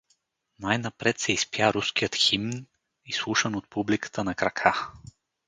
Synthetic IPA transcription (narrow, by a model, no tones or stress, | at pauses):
najnɐpɾɛt̪sɛispjaɾuskijət̪ximn | islˠuʃənot̪̚publikə̥t̪ənɐkɾɐkʰa